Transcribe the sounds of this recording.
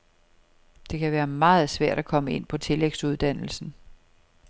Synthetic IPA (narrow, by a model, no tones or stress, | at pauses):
d̥e̝kʰæʋæːɐmɑ̈ːð̞̩ˠsʋæɐ̰ɾ̥ækʰɒ̽məe̝n̰pʰɒ̽t͡sʰe̝leɡ̥suð̞ˠd̥æn̰l̩sn̩